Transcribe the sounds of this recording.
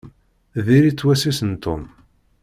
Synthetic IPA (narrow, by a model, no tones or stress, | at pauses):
ðiɾit͡sːwæsisənt̪ʊm